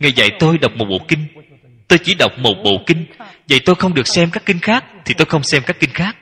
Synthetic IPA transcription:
ŋa˨˩jzə̰˧˨jt̪o˧jɗə˨˩wk͡p̚mo˨˩t̚ɓo̰˧˨kï˧ŋ̟ | t̪o˧jt͡ɕi˧˩˦ɗə˨˩wk͡p̚mo˨˩t̚ɓo̰˧˨kï˧ŋ̟zə̰˧˨jt̪o˧jxə˧wŋ͡mɗɨ˨˩ək̚sɛ˧mkaː˦˥kːi˧ŋ̟xaː˦˥k̚t̪ʰi˨˩t̪o˧jxə˧wŋ͡msɛ˧mkaː˦˥kːï˧ŋ̟xaː˦˥k̚

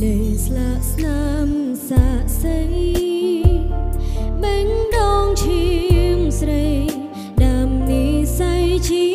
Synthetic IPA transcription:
ɗə˨jslaː˧ʔsna | m | saː˧ʔsəj | ɓɛ˧˥ŋɗɔː˧ŋt͡ɕʰi˧əŋsɾə˧j | ɗaː˩mni˨˦sa˧jt͡ɕi˧

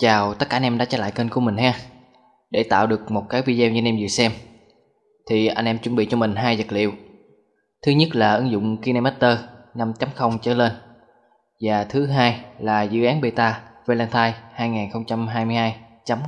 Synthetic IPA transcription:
t͡ɕaː˨˩wt̪ə˦˥t̚kaː˧nʔɛ˧mɗa̰ː˧˥t͡ɕa˧˩la̰ː˧˨jkə˧nku˧˩əmï˨˩ŋ̟ɦaː˧ | ɗe˧˩t̪a̰ː˧˨wɗɨ˨˩ək̚mo˨˩t̚kaː˨˦jvi˧zɛː˧wɲɨ˧nɛ˧mzḭ˧˨˩əsɛ˧m | t̪ʰi˨˩ʔa˧jŋ̟ʔɛ˧mt͡ɕu˧nmɓḭ˧˨t͡ɕɔ˧mï˨˩ŋ̟ɦaː˧jzə˨˩t̚lḭ˧˨əw | t̪ʰɨ˨˦ɲə˦˥t̚laː˨˩ʔɨ˨˦ŋzʊ̰˧˨wŋ͡mki˧na˧mɛ˦˥t̚t̪əː˧na˧mt͡ɕa˨˦mxə˧wŋ͡mt͡ɕəː˨˦le˧n | vaː˨˩t̪ʰɨ˨˦ɦaː˧jlaː˨˩zɨ̰˧˥ʔaː˨˦nɓe˧t̪aː˧ve˧lɛ˧nt̪ʰaː˧jhaː˧jŋaː˨˩nxə˧wŋ͡mt͡ɕa˧mɦaː˧jmɨ˧jhaː˧jt͡ɕa˨˦m

